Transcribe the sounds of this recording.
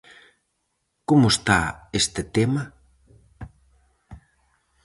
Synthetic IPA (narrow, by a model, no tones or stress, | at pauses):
komʊst̪aest̪et̪emɐ